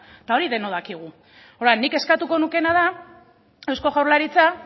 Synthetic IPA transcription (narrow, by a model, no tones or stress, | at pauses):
t̪ao̞ɾiðe̞no̞ð̞akiɣ̞u | oɾanːike̞skat̪uko̞nuke̞naða | ewsko̞ɣawɾlaɾit͡sa